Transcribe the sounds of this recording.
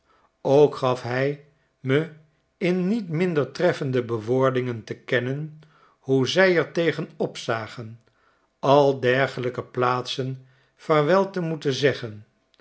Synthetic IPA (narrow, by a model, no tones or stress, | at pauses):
owkχɑfɦɛj | mə | ɪnːitmɪndəɹtrɛfəndəbəʋʊːɹdɪŋəntəkɛnən | huzɛjɛɹtejχənɔpsaːχən | ɑlˠdɛɹχələkəplaːtsən | fɛɹʋɛlˠtəmutəzɛχən